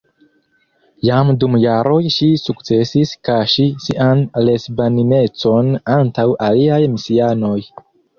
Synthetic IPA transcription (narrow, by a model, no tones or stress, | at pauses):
jamdumjaɾʔo̞jʃisukt͡se̞siskaʃisiʔanle̞sbanine̞t͡so̞nantawʔaliajmisiano̞j